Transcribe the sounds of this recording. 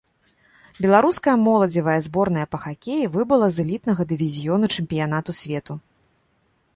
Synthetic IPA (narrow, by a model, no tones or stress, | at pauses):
bʲɛlˠaɾuskɐjɐmɔlˠɐd͡zʲivɐjɐzbɔrn̪ɐjɐpɐxakʲejivɨbɨlˠɐzɨlʲit̪̚nɐɣɐd̪ɨvʲizʲijɔnut͡ʂɨmʲpʲijanat̪usʲvʲɛt̪u